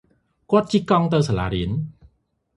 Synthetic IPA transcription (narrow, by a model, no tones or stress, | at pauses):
kŏət̪̚t͡ɕikɑŋt̪ɨwsala̰ːɾiən